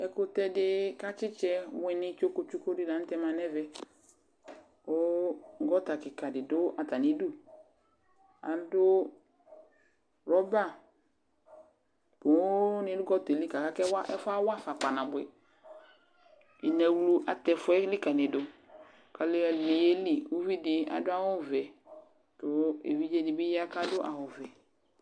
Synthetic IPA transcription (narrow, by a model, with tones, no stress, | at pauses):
ɛ˨kʊ˦tɛ˧dɪ˦ka˦t͡ʃɪ˦t͡ʃɛ˧wɛ˨nɪ˦t͡ʃo˦ko˦t͡ʃu˦ko˦dɪ˦da˨n̩˦tɛ˦ma˨nɛ˦vɛ˨˦ | o˦ɡɔ˦ta˨kɪ˨ka˨dɪ˨dʊ˦ʔa˨ta˨ni˨˦du˦ | a̰˨dʊ˦ | ɾɔ˦ba˦˨ | pʊ˨wo˦nɪ˨˦dʊ˦ɡɔ˦te˨li˦ka˨ka˦kɛ˦wa˦ʔɛ̰˦fa˦wa˦fa˨k͡pa˨nã˨bʊ˨ɛ˨ | i˨nɛ˨wlu˦ʔa˨tɛ˨fʊ˦ɛ˦li˦ka˨nɪ˨dʊ˨ | ka˨le˦˨nɪ˨je˦li˦u˦vi˦dɪ˨a̰˨dʊ˦a˦wʊ˦vɛ˨ | tʊ˨˦ḛ˨vi˦d͡ʒe˦dɪ˨bɪ˦ja˦ka˦dʊ˦ʔa̰˨hʊ˨vɛ˨